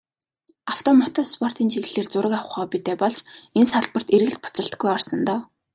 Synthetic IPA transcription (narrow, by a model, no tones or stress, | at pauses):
aw̥t̪ʰɔmɔt̪ɔːtspʰɔr̥t̪iːnt͡ɕʰiɣɮeːrt͡sʊɾə̆kaw̆χɔːpit̪eːpɔɮt͡ɕensaɮpə̆r̥t̪erɣɘ̆ɮ̚pʊ̥t͡sə̆ɬt̪ɡujɔrsɞ̆nt̪ɔː